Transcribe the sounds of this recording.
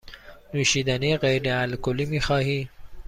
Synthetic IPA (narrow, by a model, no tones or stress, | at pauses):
nuːʃiːd̪æniɢejɾeælkoliːmiːxɑːhiː